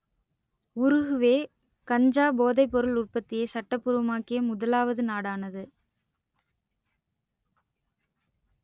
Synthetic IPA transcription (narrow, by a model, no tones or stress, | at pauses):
ʊɾɯɣɯʋeː | kɐɲd͡ʒaːboːðɐɪpːɔɾɯlʊrpɐt̪ːɪjɐsɐʈːɐpːʊɾɯʋɐmaːkɪjɐmʊðɐlaːʋɐðɯnaːɽaːnɐðɯ